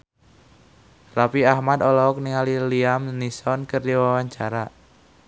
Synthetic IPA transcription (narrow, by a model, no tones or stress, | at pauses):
rapiahmat̪ɔlɔɔk̚niŋaliliamnisɔnkərdiwawaɲt͡ʃaɾa